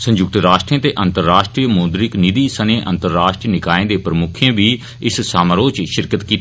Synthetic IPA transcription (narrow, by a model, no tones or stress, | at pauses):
sə̃ɲd͡ʒʊk̚t̪əɾaːʃʈɾiẽːt̪eːʔənt̪əɾːaːʃʈɾiːəmoːd̪ɾɪknid̪iːsənẽːʔə̰̃nt̪əɾːaːʃʈɾinɪkaːẽːd̪eːpɾəmʊkʰẽːʋiː | ɪssaːməɾoːt͡ʃʃɪɾkət̪kiːt̪ː